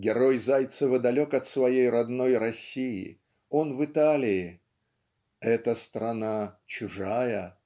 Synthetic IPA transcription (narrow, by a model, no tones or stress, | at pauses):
ɡʲɪɾo̞jzajt̪səvəd̪ɐlʲo̞kɐt̪svɐjejɾɐd̪no̞jɾɐsʲijɪ̰ | o̞nvɨt̪alʲɪɪ | ɛt̪əst̪ɾɐnat͡ɕʊʐajə